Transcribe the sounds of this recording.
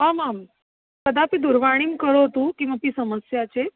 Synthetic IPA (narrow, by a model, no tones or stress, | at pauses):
ɦamam | kəd̪apiːd̪uɾʋaɽ̃iːmkəɾot̪ũkĩw̃ʋapiːsəməsjat͡ɕe